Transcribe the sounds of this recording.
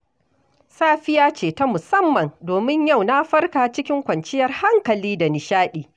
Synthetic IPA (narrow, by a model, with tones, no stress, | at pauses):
saː˦ɸɪ˦jaː˦t͡ʃeː˨ta˦mʊ˨sɐ˦mːɐ˨ndoː˨mɪ˦ɲja˦˨wna˦ɸɐ˦rkaː˨t͡ʃɪ˦kʲɪ˦ŋkʷɐ˨nt͡ʃɪ˦jɐ˨rha˦ŋkɐ˨liː˦da˨nɪ˨ʃaː˦ɗiː˨